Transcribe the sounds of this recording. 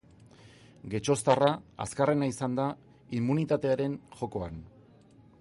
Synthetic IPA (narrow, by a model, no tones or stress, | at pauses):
ɡe̞t͡ʃo̞st̪araa̰skare̞naisand̪a | imːunit̪at̪e̞aɾe̞nʝo̞ko̞an